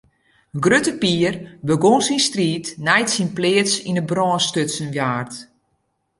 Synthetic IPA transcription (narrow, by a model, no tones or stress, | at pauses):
ɡrøtəpiərbəɡonsinstriːtnɛjtsinplɪətsinəbrɔːnstøtsənʋjaːrt